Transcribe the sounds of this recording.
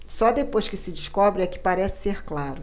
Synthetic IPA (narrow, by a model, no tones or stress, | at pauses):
sɔd̪epojʃkɪsɪd͡ʒiʃkɔbɾɪɛkɪ̥paɾɛsɪ̥seɾklaɾʊ